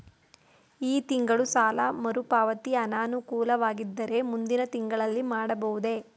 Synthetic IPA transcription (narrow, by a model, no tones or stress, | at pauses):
iːt̪iŋɡɐɭusaːlɐmɐɾupaːʋɐt̪iɐnaːnukuːlɐʋaːɡid̪ːɐɾe̞mund̪inɐt̪iŋɡɐɭɐlːimaːɽɐbɐʋud̪e̞